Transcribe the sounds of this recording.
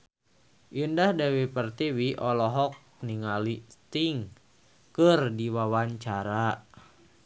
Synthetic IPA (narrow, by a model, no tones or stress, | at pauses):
ʔindahdewipərt̪iwiʔɔlɔɦɔk̚niŋalist̪iŋ | kɨrdiwawaɲt͡ʃaɾa